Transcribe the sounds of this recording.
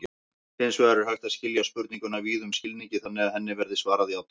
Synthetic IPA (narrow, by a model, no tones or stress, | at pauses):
ɪnsvɛɣaɾʏɾ̥hajht̪aðscɪljaspʏɾt̪niŋkʏnaviːðʏmscɪlniɲcɪθanːɪaðhɛnːɪvɛɾðɪsvaːɾaðjaːwt̪